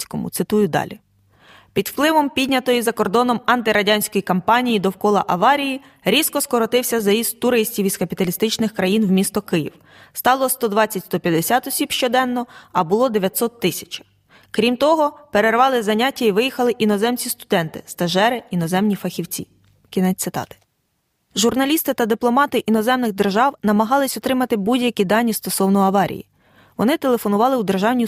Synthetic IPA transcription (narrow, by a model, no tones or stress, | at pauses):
sʲkɔmʊ̰t̪sɪt̪ujʊd̪ɑ̰lʲi | pʲid̪w̥plˠɪʋɔmpʲidʲnʲɐt̪ɔjizɐkɔrd̪ɔnɔmɐnt̪ɪɾɐdʲanʲsʲkɔjikɐmpɑnʲijid̪ɔwkɔlˠɐ̰ʔɐʋɑɾʲiji | ɾʲiskɔskɔɾɔt̪ɪwsʲɐzɐjist̪̚ʊɾɪsʲtʲiwizkɐpʲit̪ɐlʲist̪ɪt͡ʃnɪxkɾɐjinwmʲist̪ɔkɪjḭw | st̪ɑlˠɔst̪ɔd̪ʋɑt͡sʲːɐtʲst̪ɔpʲjɐd̪esʲat̪ɔsʲibʃt͡ʃɔd̪ɛnːɔɐbʊlˠɔd̪eʋʲjɐt̪ʲsɔt̪ːɪsʲɐ̥t͡ʃɐ̥ | kɾʲimt̪ɔɦɔpeɾerʋɑlˠɪzɐnʲatʲːɐiʋɪjixɐlˠɪʔinɔzɛmt͡sʲist̪ʊd̪ɛnt̪ɪ̰st̪ɐʒɛɾɪinɔzɛmnʲifɐxʲiwt͡sʲḭ | kʲinɛsɪt̪ɑ̰t̪ɪ̥ | ʒʊrnɐlʲist̪ɪt̪ɐd̪ɪplˠɔmɑt̪ɪʔinɔzɛmnɪɣd̪erʒɑwnɐmɐɦɑlˠɪsʲɔt̪ɾɪmɐt̪ɪbudʲjɐkʲid̪ɑnʲːist̪ɔsɔwnɔɐʋɑɾʲḭjḭ | ʋɔnɪt̪e̞lˠefɔnʊʋɑlˠɪwd̪erʒɑwnʲi